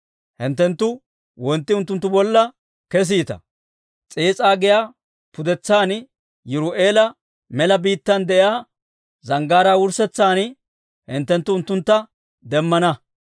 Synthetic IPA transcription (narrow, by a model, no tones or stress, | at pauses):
hɪnt̪ːɛnt̪ːʊ | wɔnt̪ːɪʊnt̪ːʊnt̪ːʊbɔlːɐ | kɛs̬iːt̪ɐ̰ | t͡sʼeːt͡sʼaːɡɪjaː | pʊd̪ɛt͡sːaːn | jʊɾʊʔe̞ːlɐ | mɛlɐbiːt̪ːɐnd̪ɛʔjaː | zɐŋɡaːɾaːwʊɾsɛt͡sːaːn | hɪnt̪ːɛnt̪ːʊːnt̪ːʊnt̪ːɐ | d̪ɛmːɐnɐ